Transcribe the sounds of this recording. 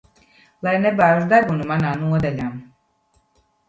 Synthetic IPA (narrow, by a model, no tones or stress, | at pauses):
lajnɛbaːɾzd̪abunumanaːnuɔd̪aʎʲam